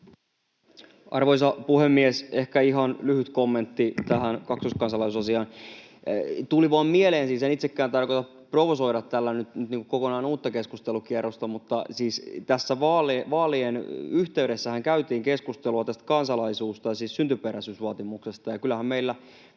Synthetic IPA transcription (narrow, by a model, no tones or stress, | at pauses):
ɑ̰rʋoisɑpuhemːiesehkæiɦɑnlyhyt̪komːent̪ːit̪æhænkɑksuskɑnsɑlɑisusɑsiɑːn | t̪uliʋɑːmmieleːnsiːsenit̪sekːæːnt̪ɑrkot̪ɑp | proʋoso̞iɾɑt̪tːælːænyt̪nyt̪niːŋkukokonɑinuːt̪ːɑke̞skust̪elukierːost̪ɑmut̪ːɑsiːst̪æsːæʋɑːlʋɑːlienyht̪e̞yɾe̞sːæhæŋkæyt̪iːŋkeskust̪eluɑt̪æst̪kɑnsɑlɑisuːst̪ɑjɑsiːssynt̪ypeɾæsysʋɑːt̪imuksest̪ɑjɑkylːˑæhæmmeilːæ